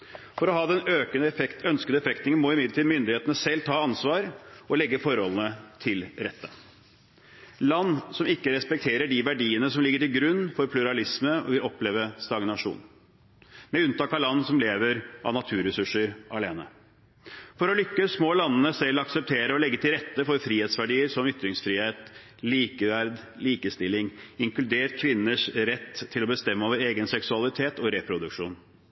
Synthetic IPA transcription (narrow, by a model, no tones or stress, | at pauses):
fɔɾɔɦɑːd̪ɛnøːkənəœnskəd̪əɛfɛkt̪ɪŋənmɔɪmɪd̪ət̪iːd̪mʏnd̪ɪheːt̪ənəsɛlːt̪ʰɑːɑnsʋɑːɾɔlɛɡːəfɔɾhɔlənət̪ʰɪlɾɛt̪ːə | lɑnːsɔmɪkːəɾɛspɛk̚t̪ʰeːɾəɖiʋæɖiːənəsɔmlɪɡːəʈɪlɡɾʉnːfɔɾpʰlʉɾɑlɪsməɔ̰ʋɪlɔpleːʋəst̪ɑɡnɑʂṵːn | mɛʉnt̪ʰɑːkɑlɑnːsɔmleːʋəɾʔɑ̰ʋnɑt̪ʰʉːɾɛsʉʂːəɾʔɑleːnə̰ | fɔɾɔlʏkːəsmɔːlɑnːənəsɛlːɑksəp̚t̪ʰeːɾəɔlɛɡːət̪ʰɪlɾɛt̪ːəfɔɾfɾiːheːt̪sʋæɖiːəɾsɔmʏt̪ɾɪŋsfɾiːheːt̪ | liːkəʋæɾd̪ | liːkəst̪ɪlɪŋɪŋklʉd̪eːʈkʰʋɪnːəʂɾɛt̪ʰːɪlɔbəst̪ɛmːəoːʋəɾeːɡənsɛksʉɑlɪt̪ʰeːt̪ɔɾɛpʰɾʊd̪ʉkʂṵːn